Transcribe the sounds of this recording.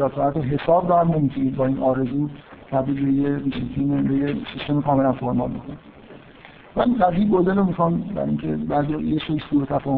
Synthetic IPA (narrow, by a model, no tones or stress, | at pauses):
æsɒæt̪ʰeɦe̞sɒːbdɔæmnemit̪ʰuniːd̪̚bɒːiːnʔɒːɾe̞zuːt̪ʰæbɾiːlbejet̪ʰinebejesist̪e̞mikʰɒːme̞lænfoɾmɒ̰lbḭkʰonæ | mæiɡæziːbod̪elomixɑnbæ̰ɾḭŋcʰḛbæɾd̪jɒ̰ːjeʃeksuɾet̪ʰæfɒːh